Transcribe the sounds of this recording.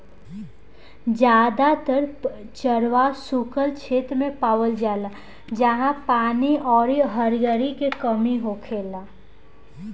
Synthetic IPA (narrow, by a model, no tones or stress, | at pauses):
d͡ʒjaːd̪at̪əɾ | t͡ʃəɾʋasukəlt͡ʃʰeːt̪ɾmẽpaːwəld͡ʒaːla | d͡ʒəɦãpaːniɔːɾiɦəɾɡəɾikekəmiɦokʰeːla